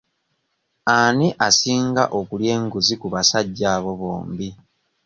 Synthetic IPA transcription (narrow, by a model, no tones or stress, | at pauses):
aniʔasiːŋɡa̰ʔo̞kulje̞ːŋɡuzikuβasaɟːaːβo̞βo̰ːmbi